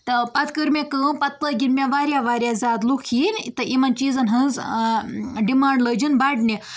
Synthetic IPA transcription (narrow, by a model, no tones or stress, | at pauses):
t̪əpat̪ʰkəɾmekəpɐt̪ːəɡiɽmʲjaʋaɾʲjaʋaɾjazat̪lukʰiːnt̪əʔimant͡ʃizɐnɦəd͡z | ɖimaɳɖləd͡ʒinbaɖne